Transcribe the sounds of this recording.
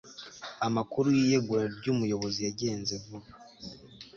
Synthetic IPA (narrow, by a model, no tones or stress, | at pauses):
amakuɾujiːjeɡuaɾɟuːmujo̞βo̞zijaɟe̞ːnzevu